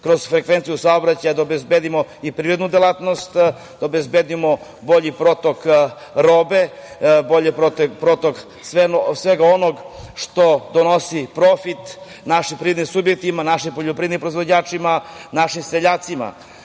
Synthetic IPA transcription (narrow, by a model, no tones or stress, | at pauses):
kɾoz̥fɾekʋent̪sijusaobɾat͡ɕajad̪aobezbed̪imoipɾiːɾed̪nud̪elˠat̪nost̪ | d̪̥aobezbed̪imo | bo̞ʎipɾo̞t̪ok | ɾoːbeboʎepɾot̪epɾot̪ok | sʋensʋeɡaonoɡʃt̪od̪onosipɾofit̪ | naʃimpɾiʋdnimsubjek̚t̪imanaʃimpoʎopɾid̪nimpɾoizʋod͡ʑaːt͡ʂimanaʃimsɾeʎaːt̪sima̰